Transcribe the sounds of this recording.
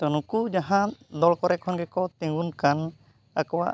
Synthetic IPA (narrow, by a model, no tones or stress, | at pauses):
t̪ɔnũkud͡ʒaɦãd̪ɔlkɔɾɛkʰɔnɡɛkɔt̪ĩŋɡunkan | akɔwa̰ʔ